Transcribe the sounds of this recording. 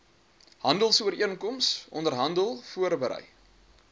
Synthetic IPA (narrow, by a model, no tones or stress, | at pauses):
ɦɐndəlˠsuəɾiənkɔmsʔɔ̰ndərɦɐndəlˠfuərbəɾɛ̰j